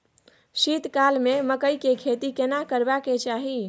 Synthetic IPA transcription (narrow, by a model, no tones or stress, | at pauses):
ʃit̪kalmeməkəjkekʰet̪ikenakəɾbaket͡ʃaɦi